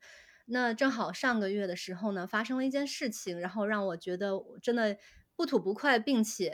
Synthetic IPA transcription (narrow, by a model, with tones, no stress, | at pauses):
na˥˧ʈ͡ʂɤ˥˩ŋxɑ˨˩ʊʂɑ˥˩ŋɡə˩ɥɛ˥˩d̪ə˩ʂɻ̩˧˥xo˥˧ʊnə˩fa˥ʂɤ˥ŋlə˧i˥˩t͡ɕjɛ˥˧nʂɻ̩˥˩t͡ɕʰi˩ŋɻa˧˥nxo˥˧ʊɻɑ˥˩ŋwɔ˨˩t͡ɕɥɛ˧˥d̪ə˧wɔ˨˩ʈ͡ʂə˥nd̪ə˨ | pu˥˩t̪ʰu˨˩pu˧˥kʰwa˥˧ɪpi˥˩ŋt͡ɕʰɛ˨˩˦